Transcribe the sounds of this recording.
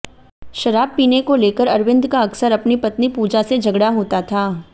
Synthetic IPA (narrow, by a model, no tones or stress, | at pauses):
ʃɐɾaːb̚piːnekoleːkəɾɐɾʋɪ̃nd̪ʱkaɐksəɾɐpnipɐt̪nipuːd͡ʒased͡ʒʱɐɡɽaɦoːt̪at̪ʰaː